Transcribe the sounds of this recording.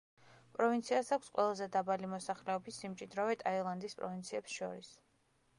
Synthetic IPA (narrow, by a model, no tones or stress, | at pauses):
pʼɾɔvint̪sʰiasakʰʷsqʼwɛ̰lˠazɛd̪abalimɔsaχlɛɔbisːimt͡ʃʼid̪ɾɔvɛt̪ʼailˠand̪ispʼɾɔvint̪sʰiɛpsʃɔɾis